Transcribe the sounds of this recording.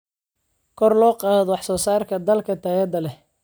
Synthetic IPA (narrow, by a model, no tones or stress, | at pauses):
kʰɔrlɔːqɑːðɔwɑħsɔːsaːrkʰɐd̪ɐlkʰɐt̪ʰɐjɛd̪ɐlɛ